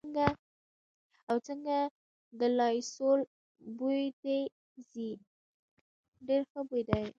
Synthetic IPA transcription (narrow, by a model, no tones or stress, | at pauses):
ɡa | awt͡səŋɡa | d̪əlɑjsol | bujd̪e | zi | ɖeɾxəbujd̪aj